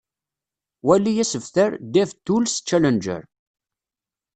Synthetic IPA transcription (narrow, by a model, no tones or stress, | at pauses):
wælːijæsəvθəɾd̪ævt̪ːulst͡ʃːælənd͡ʒə̰ɾ